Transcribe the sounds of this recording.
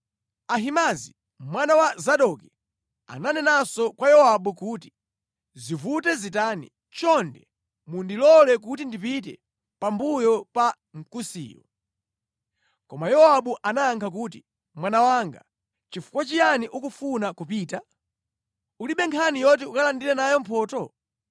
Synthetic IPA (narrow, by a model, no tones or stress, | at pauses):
aɦimazi | mwanawazaɗɔki | a̰nanɛnasɔkwajɔaɓukuti̥ | zivutɛzitaːnḭ | t͡ʃɔndɛ | mundilɔlɛk̬utindipit̬ɛ̰ | pambujɔpa | ŋ̩kusḭːjɔ̰ | kɔmajɔaɓuʔanaːŋkʰak̬uːt̬i | mwanawaŋɡa̰ | t͡ʃifu̥kwat͡ʃijaniʔukufunakupiːta | uliɓɛŋkʰanijɔt̬iukalandiɾɛnajɔm̩pʰɔːtɔ